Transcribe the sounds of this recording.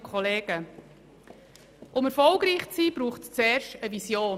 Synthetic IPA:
kʰχɔleːɡ̥ə | ʔʊmɛɾfɔlɡɾiːχt͡siːb̥ɾuːχtst͡sɛːɾʃtəvisjoː

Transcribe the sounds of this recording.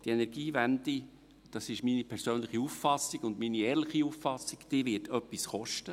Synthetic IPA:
d̥ienɛɾɡiːvænd̪i | d̥ɑsɪʃminipʰɛɾsøːnləχiufːɑsːiɡʊndminiɛːɾlɪχiufɑsːiɡ̥d̪̥iːʋɪtʰœpːisχɔʃtə

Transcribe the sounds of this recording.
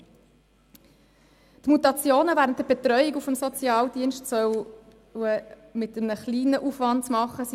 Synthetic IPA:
tmutɑt͡sjoːnəvæːʁəntdəbetɾœʏikufəmsɔt͡sjɑːldiənʃtsœw | ə | mɪtəmnəχliːnəʔufʋɑntt͡smɑχəs

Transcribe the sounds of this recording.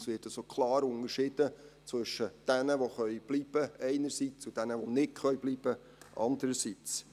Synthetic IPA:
sʋɪːtɑsokʰlɑːɾʊŋəɾʃɪd̥ət͡sʋɵʃəd̥ænəʋoχœʏb̥liːb̥əɛɪnəɾsit͡sud̥ænəʋonɪtχœʏbliːb̥ə | ʔɑ̰nd̪əɾəsit͡s

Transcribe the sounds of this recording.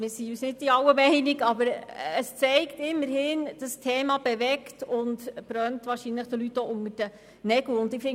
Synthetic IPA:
mɪɾsiyːsnɪd̚iɑwəmɛɪniɡɑbəɾəst͡sɛɪktɪmːəɾhɪːnd̥əstʰɛːmɑb̥ɛʋɛktʊntb̥ɾœntvʋɑːɾʃinləχd̥əlytːoʔʊŋəɾd̥ə | nɛɡ̥l̩ʊndɪfɪŋ

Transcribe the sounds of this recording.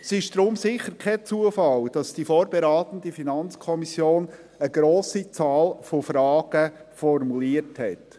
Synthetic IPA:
sɪʃd̥ɾʊmsɪχəɾkʰɛt͡suəfɑld̥ɑsd̥ifoːɾbeɾɑːt̪ən̩difinɑnt͡skʰɔmisjoːn | əɡ̥ɾoːsit͡sɑːlfofɾɑːɡ̥əfɔrmuliəɾthɛt

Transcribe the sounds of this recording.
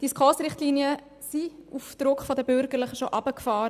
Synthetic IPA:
d̥iskʰoːsɾɪχtliːniə | siufd̥̪ɾʊkχfɔdəbʏɾɡəɾləχəʃoʔɑbəkfɑːɾə

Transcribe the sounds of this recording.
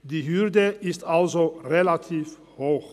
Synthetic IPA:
d̪iːhʏɾd̪əɪst̪ʰalzoɾelat̪ʰiːf | hoːx

